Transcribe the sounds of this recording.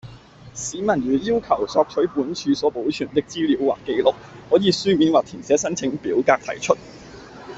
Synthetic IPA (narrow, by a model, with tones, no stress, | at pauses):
siː˨˥mɐ˨˩nɥyː˨˩jiː˥wkʰɐ˨˩wsɔː˧k̚t͡ʃʰɵ˨˥puː˨˥nt͡ʃʰyː˧sɔː˨˥po˨˥wt͡ʃʰyː˨˩nt̪ɪ˥k̚t͡siː˥liː˨˥wwaː˨kːe˧jlʊ˨k̚hɔː˨˥jiː˨˧syː˥miː˨˥nwaː˨k̚t̪ʰiː˨˩sɛː˨˥sɐ˥nt͡sʰɪ˨˧˥ŋpiː˨˥wkaː˧k̚t̪ʰɐ̰˨˩jt͡ʃʰɵ˥t̚